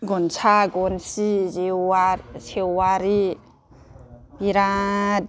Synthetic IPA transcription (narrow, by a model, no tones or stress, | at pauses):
ɡɔnsʰaɡɔnsiziasewwaɾi | biɾa